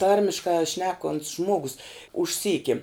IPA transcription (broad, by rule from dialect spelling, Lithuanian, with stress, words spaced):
ˈtɐrʲmʲɪʃkɑː ˈʃʲnʲæːkoːnʲtʲs ˈʒmoːɡʊs ʊʃʲˈsʲiːkʲɪ